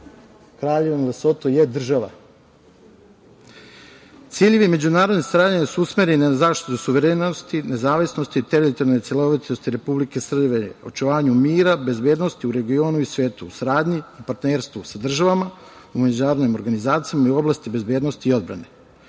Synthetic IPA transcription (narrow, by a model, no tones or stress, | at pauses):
kɾaːʎeʋonilesot̪ojed̪r̩ʒaʋa | t̪siːʎeʋime̞d͡ʑunaːɾo̞d̪nesaɾaːd̪aɲasuusme̞ɾeninazaːʃt̪i̥t̪usuʋeɾeːnost̪ine̞zaːʋisnost̪it̪eɾilit̪onojt̪sʲjelˠo̞ʋit̪ost̪iɾe̞publike̞sr̩beo̞̰t͡ʃuʋaːɲumiːɾabe̞zbe̞ːd̪no̞st̪iuɾe̞ɡio̞ːnuisʋeːt̪uːsaɾaːd̪ɲiupaɾt̪neːɾst̪ʋusad̪r̩ʒaʋama | ume̞d͡ʑunaːɾod̪nimoɾɡanizaːt̪sijamaiuo̞blast̪ibe̞zbed̪nost̪iːo̞d̪bɾa̰ne̞